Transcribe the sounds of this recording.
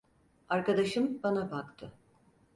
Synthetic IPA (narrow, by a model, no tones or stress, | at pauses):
aɾkad̪aʃɯmbanabakt̪ʰɯ